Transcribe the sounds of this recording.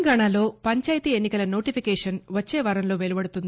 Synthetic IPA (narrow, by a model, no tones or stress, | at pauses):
ɡaːɳaːlo̞ːpɐɲt͡ʃaːjt̪iːe̞nːikɐlɐno̞ːʈipʰikɛːʂɐnʋɐt͡ʃːeːʋɐːɾɐmlo̞ːʋelubɐɽut̪und̪i